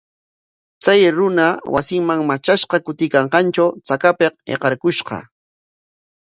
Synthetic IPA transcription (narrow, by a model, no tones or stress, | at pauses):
t͡sajɾʊnawa̰sɪŋmaŋmat͡ʃaʃqɑkʊt̪ɪkɑɴqɑnt͡ʃawt͡sakapeqḛqɑɾkʊʃqɑ̰